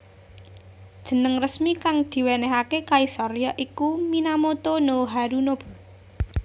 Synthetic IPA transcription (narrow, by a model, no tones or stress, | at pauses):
d̥ʒ̥ə̤nəŋrəsmikaŋd̪̥i̤wenɛɦakekaisɔɾjaʔikuminamot̪onoɦaɾunob̥ṳ